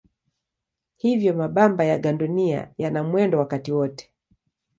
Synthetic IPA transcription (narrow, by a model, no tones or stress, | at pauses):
hivjɔmaɓambajaɡandɔnia̰janamwɛndɔwakatiwɔtɛ̥